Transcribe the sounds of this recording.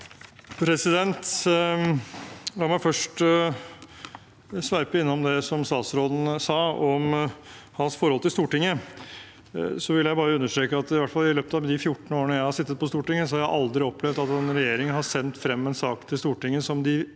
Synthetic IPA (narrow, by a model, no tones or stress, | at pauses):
pʰɾɛsɪd̪ɛnt̪ | lɑːɾmæɪfœʂʈ | sʋæɾpəɪnːɔmd̪ɛsɔmst̪ɑːt̪sɾɔːd̪n̩sɑːɔmhɑnsfɔɾɔlt̪ʰɪlst̪uːʈɪŋːə | sɔʋɪlːəjæɪbɑːɾəʉnːəʂt̪ɾeːkəɑt̪ɪʋæʈfɑlːɪløːpət̪ɑd̪ɪfjʊʈːɳ̩oːəɳəjæɪhɑʂɪt̪ːət̪̚pɔst̪uːʈɪŋːəs̬ɔhɑɾjæʔɑld̪ɾɪɔplɛʋd̪ɑt̪ɛnɾɛjeːɾɪŋhɑsɛnt̪fɾɛmːɛnsɑːkt̪ʰɪlst̪uːʈɪŋːəsɔmd̪ɪ